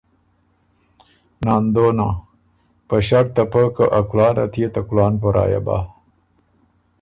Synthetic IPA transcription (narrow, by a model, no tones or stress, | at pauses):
nɑːnd̪ona | pəɕak̚t̪apəkəʔakulɑːna̰t̪ʰjet̪akulɑːnpəɾɑ̰ːja̰ba̰